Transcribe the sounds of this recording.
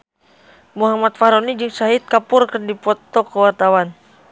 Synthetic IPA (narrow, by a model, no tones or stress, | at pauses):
muɦamat̪̚faɾɔnid͡ʒɨŋsaɦit̪̚kapʊrkərdipɔt̪ɔkəwart̪awan